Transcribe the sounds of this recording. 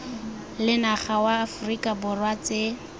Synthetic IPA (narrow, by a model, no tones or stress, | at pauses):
lɪnaχawaːfrikʼabʊrwat͡se